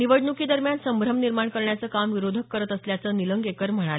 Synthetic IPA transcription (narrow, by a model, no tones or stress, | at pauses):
niʋəɖɳukiːd̪əɾmjansəmbʱɾəmniɾmaɳkəɾɳjat͡səːkamʋiɾod̪ʱəkːəɾət̪əsljat͡səniləŋɡekəɾm̤əɽ̃a